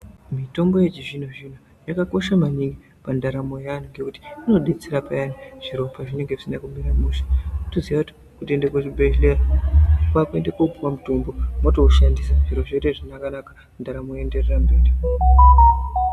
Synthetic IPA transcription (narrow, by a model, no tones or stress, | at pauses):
mito̞ŋɡo̞je̞t͡ʃiʐin̤uʐin̤u | jakako̞ʃamaɲiŋɡi | pandaɾamo̞jaaniŋɡe̞kuti̥ino̞ɗe̞t͡seɾapajaniʐ̥iɾo̞pʰaʐine̞ŋɡeʐisinakumiɾamuʃḁtoziʋauti̥ | kutendekot͡ʃibeɬeakwakue̞ndekokupuwamutumbo̞motoʃandisaʐiɾoʐeteʐinakanakḁ | ndaɾamojende̞rerambe̞ːri